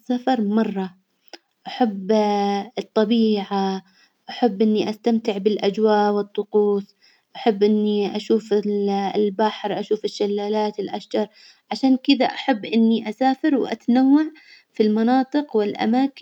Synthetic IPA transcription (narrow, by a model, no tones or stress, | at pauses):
safɑɾˤmɑrˤːɑ | ʔaħabːɨt̪ˤːɑbiːʕa | ʔaħabːʔɪnːiʔast̪amt̪ɪʕbɪlʔad͡ʒwaːʔwɨt̪ˤːʊquːs | ʔaħabːʔɪnːiʔaʃuːf | lbaħɾʔaʃuːfɪʃːalːaːlaːt̪ɪlʔaʃd͡ʒɑɾˤ | ʕaʃaːnkɪd̪aʔaħabːʔɪnːiʔasaːfɪɾwʔa̰t̪anawːaʕ | filmɑnɑːt̪ˤɨqwɪlʔa̰maːk